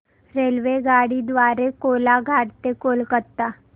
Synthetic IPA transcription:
ɾelʋeɡaɽid̪ʋaɾekolaɡʱaɽt̪ekolkət̪a

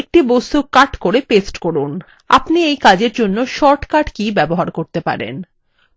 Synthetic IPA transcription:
ek̚ʈibost̪ukːaʈkoɾepesʈkoɾun | a̰pniejkad͡ʑeɾd͡ʑonːoʃɔɾʈkaʈkibɛboɦaɾkoɾt̪epa̰ɾḛn

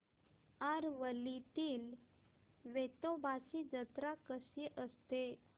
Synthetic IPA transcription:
aɾʋəlit̪iːl | ʋet̪obʱasid͡ʑət̪ɾakəsiʔəst̪e

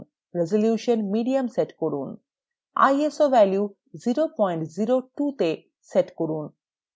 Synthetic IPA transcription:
ɾezoljuːʃənmiɖiɐmseʈkɔɾun | a̰jesoʋɛlju | ziɾopɔjɳʈziɾoʈut̪e | seʈkoɾun

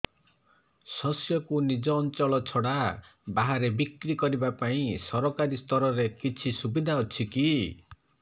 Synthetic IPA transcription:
sɔsjɔkunid͡ʒɔːnt͡ʃɔɭɔt͡ʃʰɔɽa | baɦaɾebikɾikɔɾibapaĩsɔɾɔkaɾist̪ɔɾɔɾekit͡ʃʰisubid̪ʱaɔt͡ʃʰiki

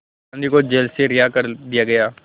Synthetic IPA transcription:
nd̪ikod͡ʒelseɾɪjaːkəɾd̪ɪjaːɡəjaː

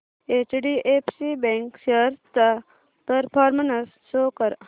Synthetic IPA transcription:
eːt͡ʃɖiʔeːpʰsibẽŋkseɾt̪a | pəɾpʰɔːɾmɐnɐs | soːkɐɾ

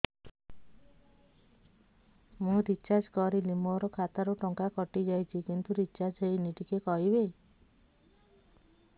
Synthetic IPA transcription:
mũɾit͡ʃad͡ʒkɔɾilimɔɾɔkʰat̪aɾuʈɔŋkakɔʈid͡ʒajt͡ʃʰikint̪uɾit͡ʃad͡ʒɦejniʈikekɔɦibe

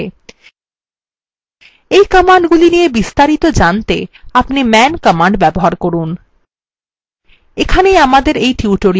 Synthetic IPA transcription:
ejkɔmaɳɖɡulinijebist̪aɾit̪od͡ʑant̪eapnimɛnkɔmaɳɖbɛboɦaɾkoɾun | ekʰanejamad̪eɾejʈuuʈoɾi

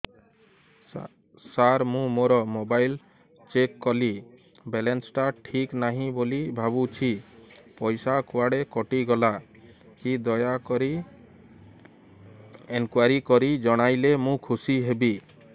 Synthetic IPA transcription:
saɾmũmoɾɔmobajl | t͡ʃekːɔli | belensʈaʈʰiknaɦĩbolibʱabut͡ʃʰipɔjsakuwaɽekɔʈiɡɔla | kid̪ɔjakɔɾi | enkwaɾikɔɾid͡ʒɔɽ̃ajlemũkʰusiɦebi

